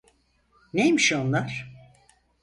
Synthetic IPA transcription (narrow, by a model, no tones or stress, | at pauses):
nejmiʃonlˠaɾ̥